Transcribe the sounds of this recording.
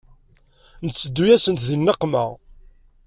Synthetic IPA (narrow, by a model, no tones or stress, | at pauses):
nət͡sːəd̪ːujæsənt̪ðinːəqːmə̰ʁ